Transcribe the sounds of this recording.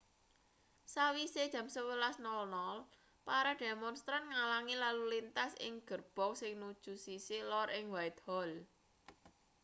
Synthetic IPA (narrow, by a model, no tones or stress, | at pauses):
sawised̥ʒ̥ä̤msəwəlasnɔlnɔl | paɾad̪̥e̤mɔnst̪ɾanŋalaŋilalulint̪asɪ̰ŋɡ̥ə̤rb̥ɔ̤ksɪŋnud̥ʒ̥ṳsisilɔɾʔɪŋwaɪt̪̚hɔl